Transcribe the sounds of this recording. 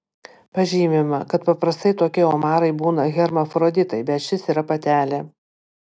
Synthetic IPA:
pɐʒʲiːmʲɪmɐkɐt̪pɐpɾɐst̪ɐɪt̪oːkʲɛoːmɑːɾɐɪbuːnɐɣʲɛɾmɐfɾoːd̪ʲɪt̪ɐɪbʲɛt̪ʃʲɪsiːɾɐpɐt̪ʲæːlʲɛ

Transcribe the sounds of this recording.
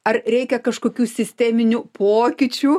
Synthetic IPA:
ɐrɾʲɛɪkʲɛkɐʃkoːkʲuːsʲɪsʲt̪ʲɛːmʲɪnʲuːpoːkʲɪt͡ʃʲuː

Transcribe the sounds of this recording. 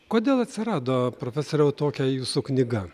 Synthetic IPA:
koːd̪ʲeːlˠɐt̪ʲsʲɪɾɑːd̪oːpɾofʲæsoːɾʲɛʊt̪oːkʲɛjuːsuknʲɪɡɐ

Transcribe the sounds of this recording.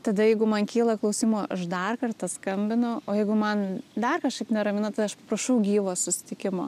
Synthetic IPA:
t̪ɐd̪ɐjɛɪɡʊmɐnkʲiːlˠɐklˠɐʊsʲiːmoːʔɐʃd̪ɐrkɐrt̪ɐskɐmʲbʲɪnʊoːjɛɪɡʊmɐnd̪ɐrkɐʃkɐɪpnʲɛɾɐmʲɪnɐt̪ɐɪɐʃpɐpɾɐʃɐʊɡʲiːʋoːssʊsʲɪ̥t̪ʲɪkʲɪmo̰ː

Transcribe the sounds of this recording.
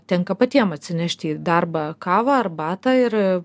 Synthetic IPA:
t̪ʲɛŋkɐpɐt̪ʲiɛmɐt̪ʲsʲɪnʲɛʃʲt̪ʲiːd̪ɐrbɐːkɑːʋɑːɐrbɑːt̪ɑːɪɾ

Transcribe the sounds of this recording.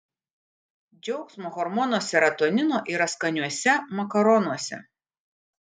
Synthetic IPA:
d͡ʒʲɛʊksmoːɣɔɾmɔnoɔsʲɛɾɐt̪onʲɪnoːʔɪɾɐskɐnʲuɔsʲɛmɐkɐɾɔnuɔsʲɛ̰

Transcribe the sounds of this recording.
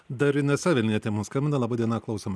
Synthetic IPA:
d̪ɐɾʲɪnʲɛsʲɐʋʲɛlʲnʲiːɛt̪ʲɛmɐnskɐmʲbʲɪnɐlˠɑːbɑːd̪ʲiɛnɐklˠɐʊsʲomɐ

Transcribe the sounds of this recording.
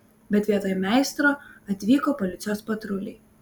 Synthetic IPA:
bʲɛt̪ʲʋʲiɛt̪ɐjmʲɛˑɪst̪ɾoɐt̪ʲʋʲiːkoːpɔlʲɪt̪sʲɪjoːspɐt̪ɾʊlʲɪ̰j

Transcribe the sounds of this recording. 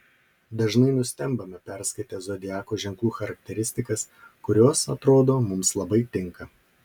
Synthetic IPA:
d̪ɐʒnɐɪnʊsʲt̪ʲɛmbɐmʲɛpʲɛɾskɐɪt̪ʲɛzod̪ʲɪæːkoːʒʲɛŋklˠuːxɐɾɐk̚t̪ʲɛɾʲɪsʲt̪ʲɪkɐskʊɾʲoːsɐt̪ɾoːd̪oːmʊmslˠɐbɐɪt̪ʲɪŋkɐ

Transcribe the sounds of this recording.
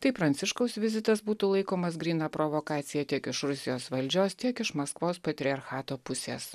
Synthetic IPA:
t̪ɐɪpɾɐnʲsʲɪʃkɐʊsʋʲɪzʲɪt̪ɐsbuːt̪uːlˠɐɪkoːmɐs̬ɡɾʲiːnɑːpɾoʋoːkɑːt̪sʲɪjɛt̪ʲiɛkɪʃɾʊsʲɪjoːsʋɐlʲd͡ʒʲoːst̪ʲiɛkɪʃmɐskʋoːspɐt̪ʲɾʲɪɐɾxɑːt̪oːpʊsʲḛːs

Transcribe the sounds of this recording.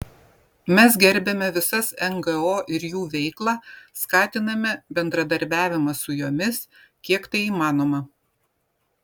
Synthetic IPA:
mʲɛs̬ɡʲɛɾʲbʲɛmʲɛʋʲɪsɐsɛŋɡɛoːʔɪɾjuːʋʲɛɪklˠɑskɑːt̪ʲɪnɐmʲɛbʲɛnd̪ɾɐd̪ɐɾʲbʲæːʋʲɪmɐsʊjoːmʲɪs | kʲiɛkt̪ɐɪiːmɑːnoːmɐ

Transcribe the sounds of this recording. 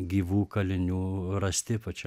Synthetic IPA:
ɡʲiːʋuːkɐlʲɪnʲuːɾɐsʲt̪ʲɪpɐt͡ʃʲɛ

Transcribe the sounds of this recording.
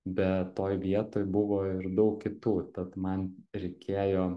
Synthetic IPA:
bʲɛt̪ːoːjʋʲiɛt̪oːjbʊʋoːɪɾd̪ɐʊkkʲɪt̪uːt̪ɐt̪mɐnɾʲɛɪkʲʰeːjoː

